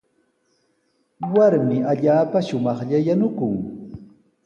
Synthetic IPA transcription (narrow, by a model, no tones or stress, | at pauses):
waɾmɪaʎaːpaʃʊmɑχʎajanʊkʊŋ